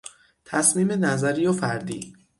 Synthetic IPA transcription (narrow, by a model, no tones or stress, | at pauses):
t̪ʰæsmiːme̞næzæɾijofæɾd̪ḭː